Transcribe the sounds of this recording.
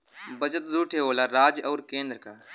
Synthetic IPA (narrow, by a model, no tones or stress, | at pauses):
bɐt͡ʃət̪d̪uːʈʰeɦoːlaɾaːd͡ʒɐːɾkẽːnd̪ɾəkaː